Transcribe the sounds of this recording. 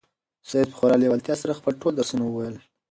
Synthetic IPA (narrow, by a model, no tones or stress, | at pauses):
sajed̪̚pə̥xoɾɑljewalt̪jɑsaɾaxpəlʈold̪aɾsunawəwajəl